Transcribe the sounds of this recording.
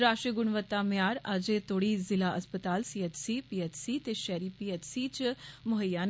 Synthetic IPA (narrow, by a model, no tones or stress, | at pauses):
ɾaːʃiɡʊɳʋət̪ːaːmjaːɾəd͡ʒet̪ʰoːɽiːzɪlaːʔəspət̪aːlsiət̪siːpiːɛt͡ʃsiːt̪eːʃɛːɾiːpiːɛt̪siːt͡ʃmʊɦəjaːn